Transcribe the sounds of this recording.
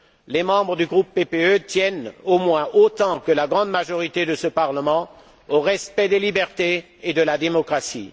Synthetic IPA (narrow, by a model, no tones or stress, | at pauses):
lemɑ̃bʁəd̪yɡʁupːepeøt̪jɛnomwɛ̃ʔot̪ɑ̃kəlaɡʁɑ̃d̪maʒɔʁit̪ed̪əsəpaʁləmɑ̃ | oʁɛspɛd̪elibɛʁt̪e | ed̪əlad̪emɔkχasḭ